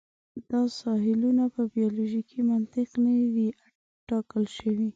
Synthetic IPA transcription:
d̪̥ɑsɑɦɪlunapəbijɑloʒikʰimant̪ɪqnawi | ʈɑkəlʃəwi

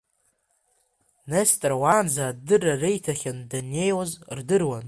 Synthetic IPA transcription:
nestʼrwaːnzaːdɨrarejtʰaχʲandane̞jozrdɨrwan

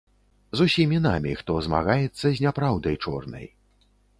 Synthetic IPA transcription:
zusʲimʲinamʲḭxt̪ɔzma̰ɣajɛt̪sːɐzʲnʲapɾawd̪ɐjt͡ʂɔ̰rnɐ̰j

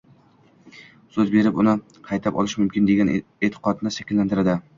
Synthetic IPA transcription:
sɵzbe̞ɾɪpʊnɪ | qʰɑjt̪ʰapɒ̰lˠɪʃmʊmkʲɪnd̪eɡʲanet̪ʰɪ̥qʰɒt̪nɪʃakʲɪlːant̪ɪɾad̪ɪ

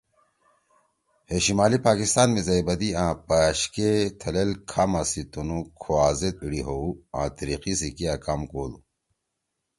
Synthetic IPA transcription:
heɕimaːlipaːkist̪aːnmẽzɐjbɐd̪iãːpaɕket̪ʰɐlelkʰamasit̪unukʰoaːzet̪̚iɽiɦouã̰ːt̪ɐɾiqisikiakamkoːd̪u

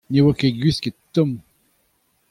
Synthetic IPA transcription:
newakeɡɥisket̪ːɔm

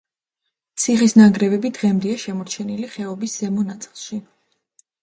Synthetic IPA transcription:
t̪sʰiχisnaɡɾɛbɛbid̪ʁɛmd̪ɛaʃɛmɔɾt͡ʃʰɛniliχɛɔbisz̥ɛmɔnat̪sʼilˠʃi

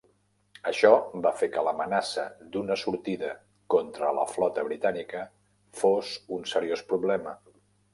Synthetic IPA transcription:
əʃɔbafekələmənasəd̪unəsuɾt̪iðə | kɔnt̪ɾələ̰flɔt̪əβɾit̪anikə | fozunsəɾiospɾuβlɛmə

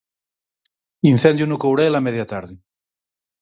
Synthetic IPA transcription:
inθend̪junukowɾelameðjat̪aɾðɪ

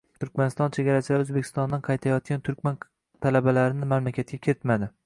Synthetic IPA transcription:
t̪ʰʊɾkʲmanɪst̪ɒnt͡ʃʰe̞ɡʲaɾasɪlaɾɵzbekʲʰɪ̥st̪ɒnd̪anqʰɑjt̪ʰajɒt̪̚kʲant̪ʰʊɾkʲman | t̪ʰalabalaɾɪnɪmamlakʲʰat̪̚kʲakʲʰɪɾɪt̪mad̪ɪ

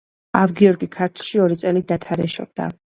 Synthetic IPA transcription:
avɡiɔɾɡikʰaɾt̪ʰlˠʃiɔɾit̪sʼɛlid̪at̪ʰaɾɛʃɔ̰b̚d̪a̰

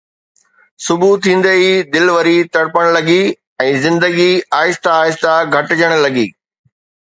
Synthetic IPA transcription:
sʊbʱut̪ʰĩːn̆d̪eid̪ɪlʋəɾit̪ɐɽpəɽ̃lɐɠi | ɛ̃ːzɪ̃nd̪əɡiaːɪst̪aːɪst̪aɡʱɐʈɪd͡ʑəɽ̃lɐɠḭː

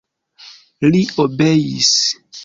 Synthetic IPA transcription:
liobejḭs

